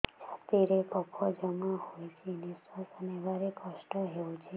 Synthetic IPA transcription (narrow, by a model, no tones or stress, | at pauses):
d͡ʒat̪iɾepɔpʰɔd͡ʒəmãhojt͡ʃʰeniswasənebaɾekɔʃʈɔɦeũt͡ʃʰe